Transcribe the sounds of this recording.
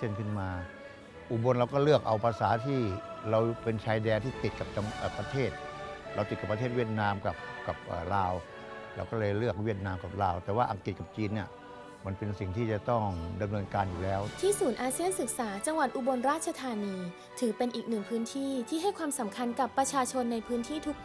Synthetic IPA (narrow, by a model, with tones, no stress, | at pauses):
ɯ˥˩ənkʰɯ˥˩nmaː˧ | ʔu˨˩bo˧nɾa˧wkɔː˥˩lɯ˥˩ək̚ʔa˧wpɾa˧saː˩˦t̪ʰiː˥˩ɾa˧wpe˧nt͡ɕʰaː˧jdɛː˧nt̪ʰiː˥˩t̪i˨˩t̪̚ka˨˩p̚t͡ɕa˧ŋʔːpɾa˧t̪ʰeː˥˩t̪̚ɾa˧wt̪i˨˩ka˨˩pt̪ʰeː˥˩t̪̚wi˥˩ət̪̚naː˧mka˨˩p̚ka˨˩p̚ʔə̰ː˨˩laː˧w | ɾa˧wkɔː˥˩lɤː˧jlɯ˥˩ək̚wi˥˩ət̪̚naː˧mka˨˩p̚laː˧wt̪ɛː˨˩waː˥˧ʔa˧ŋki˨˩t̪̚ka˨˩p̚t͡ɕiː˧nːi˥˩ɐ | ma˧npe˧nsi˨˩ŋt̪ʰiː˥˩t͡ɕa˨˩t̪ɔ˥˩ŋda˧mnɤː˧nkaː˧njuː˨˩lɛː˦˥wt̪ʰiː˥˩suː˩˦nʔaː˧si˥˩ənsɯ˨˩k̚saː˩˦t͡ɕa˧ŋwa˨˩t̪̚ʔu˧bo˧nɾaː˥˩t̪̚t͡ɕʰa˧t̪ʰaː˧niː˧ | t̪ʰɯː˩˦pe˧nʔiː˨˩k̚nɯ˨˩ŋpʰɯː˦˥nt̪ʰiː˥˩t̪ʰiː˥˩ɦa˥˩jkʰwaː˧msa˩˦mkʰa˧nka˨˩pːɾa˧t͡ɕʰaː˧t͡ɕʰo˧nːa˧jpʰɯː˦˥nt̪ʰiː˥˩t̪ʰu˦˥k̚